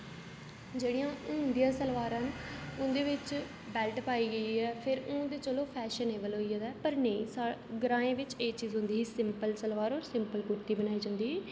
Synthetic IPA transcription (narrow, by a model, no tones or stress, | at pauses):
d͡ʒeːɽijãːʊ̃ːnd̪ijãːsəlʋaːɾãːnʊ̃nd̪eːʋɪt͡ʃ | bɛːlʈpaːiːɡəiːɛːpʰɪɾʊ̃d̪eːt͡ʃəloːpʰɛːʃəneːbəlɦoːiad̪ɛːpəɾnəĩːsaɡɾãːẽːʋɪt͡ʃeːt͡ʃiːzɦʊ̃nd̪iːɦiːsɪmpəlsəlʋaːɾoːɾsɪmpəlkuɾt̪iːbənaːiːd͡ʒãːnd̪iːɦɛː